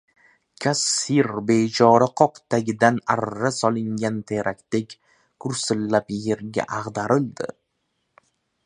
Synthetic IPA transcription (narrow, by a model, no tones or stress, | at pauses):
kʲʰasːiɾbe̞t͡ʃʰɒɾɪqʰɒqt̪ʰaɡʲɪd̪anaɾːasɒlˠɪŋɡʲant̪ʰe̞ɾakʲt̪ekʲ | kʰʊɾsɪlːapje̞ɾɡʲa̰ʔaʁd̪aɾɪld̪ɪ̰